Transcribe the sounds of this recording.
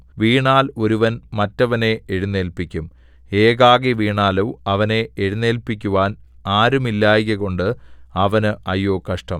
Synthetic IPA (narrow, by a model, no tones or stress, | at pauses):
ʋiːɳaːlo̞ɾuʋɐnmɐtːɐʋɐne̞eɻunːe̞ːlpikʲːum | eːɣaːɣeʋiːɳaːluʋɐʋɐne̞eɻunːeːlpikʲːuʋaːn | aːɾumilːaːjɣɐɣo̞ɳɖɨɐʋɐnɨʔɐjːoːkɐʂʈɐm